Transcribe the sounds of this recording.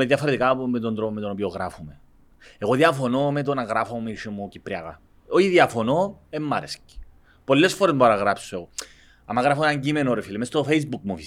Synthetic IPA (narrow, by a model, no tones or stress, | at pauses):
eðjɐfoɾet̪ikamet̪ond̪ɾopomet̪ono̞pioɣɾafome | eɣo̞ðiɐfo̞nomet̪onɐɣɾafomumiʃimːucipɾiɐɣɐ | oçiðjɐfo̞noemːɐɾesci̥ | po̞lːe̞sfoɾezmdboɐnɐɣɾapsoe̞ɣo | ɐmːɐɣɾɐfoenaɲɟimenoɾefilimest̪ofeizbuk̚mufi